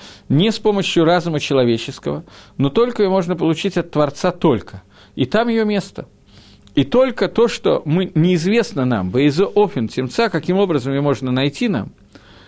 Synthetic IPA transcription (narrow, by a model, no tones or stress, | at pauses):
nʲɪspo̞məɕjʊɾazʊmət͡ɕɪlˠɐvʲet͡ɕɪskə̰vəno̞t̪o̞lʲkəjomo̞ʐnəp̬əlˠʊt͡ɕitʲɐt̪ːvɐrt̪sat̪o̞lʲkʰə | it̪amjɪjomʲe̞st̪ə | it̪o̞lʲkət̪o̞ʂt̪o̞̰mɨnʲɪːzvʲe̞snəna̰mbəɪzəʔofʲɪntʲɪmt̪sakɐkʲimo̞bɾəzəmjomo̞ʐnənɐjtʲina̰m